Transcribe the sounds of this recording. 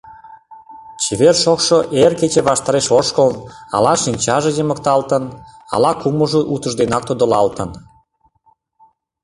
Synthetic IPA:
t͡ɕiβerʃokʃoʔerket͡ɕeβɑʃt̪ɑɾeʃoʃkəlnɑ̰lɑʃinʲt͡ɕɑʒejemək̚t̪ɑlt̪ənɑ̰lɑkuməʒoʔut̪ə̆ʒd̪enɑk̚t̪od̪olɑ̰lt̪ən

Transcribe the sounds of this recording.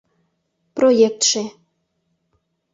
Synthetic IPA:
projek̚t̪ʃe

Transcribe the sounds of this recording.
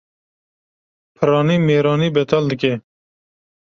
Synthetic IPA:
pʰɨɾɑːniːmeːɾɑːniːbɛt̪ʰɑːld̪ɨke

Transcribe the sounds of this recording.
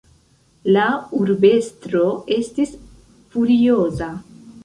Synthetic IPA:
lauɾbe̞stɾo̞e̞stis | fuɾio̞za

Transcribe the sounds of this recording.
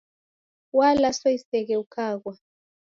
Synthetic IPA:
walasoisɛk̬ɛukʰaːk̬wa

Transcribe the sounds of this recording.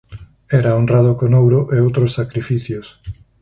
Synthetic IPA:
ɛɾaonraðokonowɾoʔeowt̪ɾosːakɾifiθjos

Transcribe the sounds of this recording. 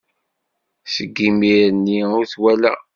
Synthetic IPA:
səɡːimiɾənːiʊɾθwælæ̰

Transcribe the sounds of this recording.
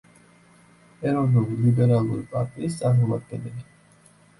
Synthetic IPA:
ɛɾɔvnulilibɛɾalˠṵɾipʼaɾt̪ʼiːst̪sʼaɾmɔmad̪̚ɡɛnɛli

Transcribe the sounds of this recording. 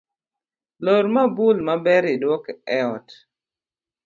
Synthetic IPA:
lɔɾmabulmabɛɾɪdwɔkɛɔt

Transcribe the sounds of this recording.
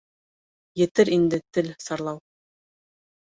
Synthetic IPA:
jɘ̆t̪ɘɾind̪ɘt̪ɘlsɑɾlˠɑw

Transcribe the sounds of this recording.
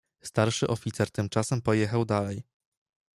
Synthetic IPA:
st̪aɾʂɘʔɔfʲit̪sɛɾt̪ɘmt͡ʂasɛmpɔjɛxawd̪alɛj

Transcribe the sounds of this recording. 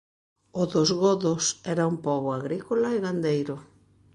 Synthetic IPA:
ʊðozɣɔðʊsɛɾaumpɔβoaɣɾikolaeɣand̪ejɾʊ

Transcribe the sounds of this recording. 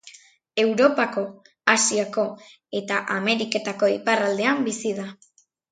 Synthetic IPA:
e̞wɾo̞pako̞ | asiako̞ | e̞t̪aʔame̞ɾike̞t̪ako̞iparald̪e̞ambisiða

